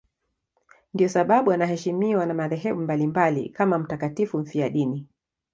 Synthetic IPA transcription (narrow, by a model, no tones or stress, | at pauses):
ndiɔsaɓaɓuanahɛʃimiwanamaðɛɦɛɓumbalimbalḭkamam̩takatifum̩fiaɗini